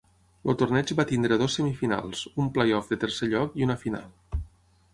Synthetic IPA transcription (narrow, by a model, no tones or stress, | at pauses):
lo̰t̪ornɛd͡ʒβat̪ind̪ɾəðosːəmifina̰lˠzumplejɔfd̪ət̪ərseʎɔkiunəfina̰lˠ